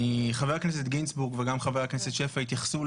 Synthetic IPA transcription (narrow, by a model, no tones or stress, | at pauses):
iχaveʁknes̬et̪̚ɡinsbuʁɡveɡamχaveʁkneset̪ʃefait̪jaχsu